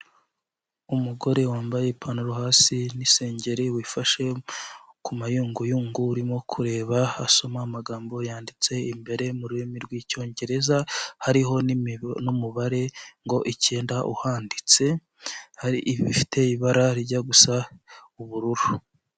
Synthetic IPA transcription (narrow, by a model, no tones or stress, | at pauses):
umuɡo̞ɾe̞waːmbaje̞pʰanoɾuhaːsinise̞ːɲɟe̞ɾiwiːfaʃe̞ | kumajuːŋɡujuːŋɡuːɾimo̞kʰuɾe̞ːβaa̰so̞maːmaɡaːmbo̞jaːndit͡se̞imbe̞ɾe̞muɾuimiɾɡwiːco̞ːɲɟe̞ɾe̞zahaɾiɦo̞nnumuβaɾe̞ŋɡo̞ʔiceːndaʔṵhaːndit͡se̞ | haɾiʔβifi̥tʰe̞iβaɾaɾiɟaɡusauβuɾuɾu